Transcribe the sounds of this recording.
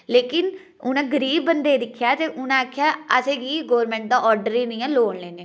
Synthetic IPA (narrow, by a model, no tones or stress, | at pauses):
leːkɪn | ʊnãːɡəɾiːbːənd̪eːd̪ɪkʰːjaːt̪eːʔʊnãakʰːjaːəsẽːɡiːɡoːɾmɛ̃ːɳʈ̚d̪aːʔɔːɾɖəɾiːnɪjãːloːɳleːneː